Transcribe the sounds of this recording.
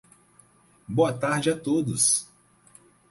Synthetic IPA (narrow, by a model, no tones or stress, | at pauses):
boɐt̪aɾd͡ʒɪat̪od̪ʊs